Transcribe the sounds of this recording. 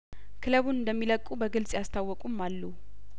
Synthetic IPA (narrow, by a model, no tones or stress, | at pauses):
kʰɨləβunɨnd̪əmːiləkʼubəɡɨlsʼjast̪ʰawːɔkʼumːalːu